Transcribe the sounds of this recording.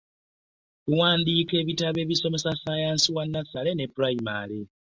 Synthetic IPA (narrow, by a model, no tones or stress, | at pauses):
kuwaːndike̞ːβitaβe̞ːβiso̞me̞sasajaːnsiwanːasale̞ne̞puɾaima̰le